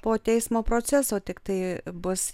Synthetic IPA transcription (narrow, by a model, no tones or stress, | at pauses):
poːt̪ʲɛɪsmoːpɾoːt͡sʲɛsoːt̪ʲɪkt̪ɐɪbʊs